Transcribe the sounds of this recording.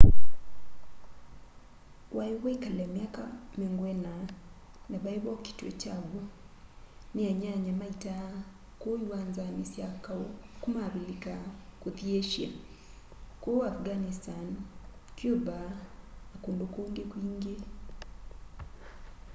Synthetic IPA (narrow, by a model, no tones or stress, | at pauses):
wajiwaikalɛmjakameŋɡwɛna | naβaeβɔki̥twɛ̰t͡ʃaɣu | neaɲaɲamaita | koiwaːnzanesjakaokumaβilikakoðjeʃja̰ | koafɡanistankjoβanakoːndokoːŋɡekwiːŋɡe